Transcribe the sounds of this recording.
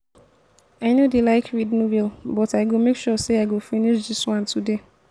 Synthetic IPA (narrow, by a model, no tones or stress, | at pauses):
aɪnodelaɪkʰɹidnuvilbɔtaɪɡomekʃɔseaɪɡofiniʃdiswɔ̃ntʰude